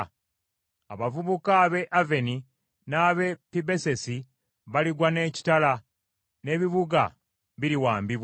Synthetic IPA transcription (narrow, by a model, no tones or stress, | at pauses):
aβavuβukaβe̞ʔave̞ni | naːβe̞pibe̞se̞si | βaliɡwane̞ːci̥tala | ne̞βiβuɡa | βiɾiwaːmbiβ